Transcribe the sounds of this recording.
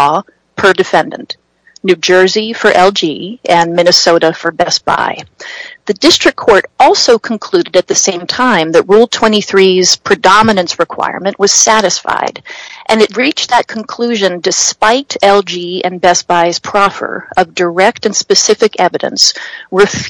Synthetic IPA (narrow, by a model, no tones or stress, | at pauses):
ɔ | pʰə˞dɨfɛ̃ndɨ̃n̩ | nʉd͡ʒɜ˞zifə˞ʔɛlˠd͡ʒiɨ̃nmɪ̃nɨsoʊɾəfə˞bɛsb̥a̰ɪðɨdɪstɹ̥ɨkʰːɔɹɾɔlˠsoʊkʰn̩kʰl̥ʉɾɨɾɨt̪̚ðɨsẽɪ̃mtʰãɪ̃mðɨt̚ɹulˠtʰw̥ɛ̃ɾ̃iθɹiz̥pʰɹ̥ɨdɑmɨnɨ̃nsɹɨkʰw̥a̰ɪə̰ɹmɨ̃nʔwʌz̥sæɾɨsfa̰ɪdʔɨ̃nɨt̚ɹit͡ʃðɨt̚kʰn̩kʰl̥ʉʒɨ̃ndɨspaɪɾɛlˠd͡ʒiɨ̃nbɛsb̥aɪz̥pʰɹ̥ɑfə̰˞ʌvdə˞ɛk̚tɨ̃nspɨsɪfɨkɛvɨɾɨ̰̃nswəf